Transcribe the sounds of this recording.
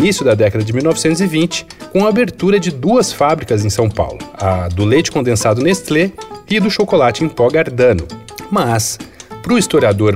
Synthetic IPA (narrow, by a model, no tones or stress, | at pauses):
nisjʊd̪ɐd̪ɛkɐd̪ɐd͡ʒɪmiwnɔvɪsẽnt̪ʊzivĩnt͡ʃɪ̥kõw̃ɐabeɾt̪uɾɐd͡ʒɪd̪uɐsfabɾikɐzẽj̃sɐ̃w̃pa̰wlʊɐd̪ʊlejt͡ʃɪ̥kõnd̪ẽsad̪ʊnest̪leɪd̪ʊʃokolat͡ʃɪẽj̃pɔɡaɾd̪ɐ̃nʊ | mɐspɾʊist̪oɾiad̪oɾ